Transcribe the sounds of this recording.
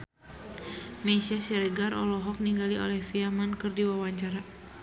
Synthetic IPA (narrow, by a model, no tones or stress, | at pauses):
mesiasɛɾɛɡarʔɔlɔɦɔk̚niŋɡalio̰lɛhfiamankɨrdiwawaɲt͡ʃaɾa